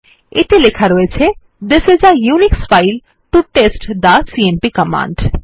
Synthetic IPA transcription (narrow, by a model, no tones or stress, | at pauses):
ḛt̪elekʰaɾɔet͡sʰe | d̪esed͡zajunikspajl | ʈuʈesʈd̪asiempikɔma̰ɳɖ